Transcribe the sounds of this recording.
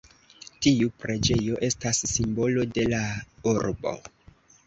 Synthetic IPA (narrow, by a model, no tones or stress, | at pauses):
tiupɾʔe̞d͡ʒe̞jo̞ʔe̞stasːimbo̞lo̞de̞lauɾbo̞̰